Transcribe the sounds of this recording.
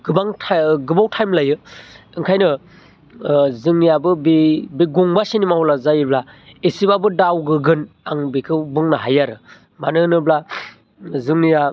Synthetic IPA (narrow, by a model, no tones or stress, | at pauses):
ɡɯbaŋtʰɡɯbawtʰajmlajɯɯŋkʰajnɯ | zɯŋnijabɯbibiɡuŋbasinimawlazajɯbla | esibabɯdawɡɯɡɯn | aŋbikʰɯbɯŋnaɦajaɾɯ | ma̰nɯnɯbla | zɯŋnija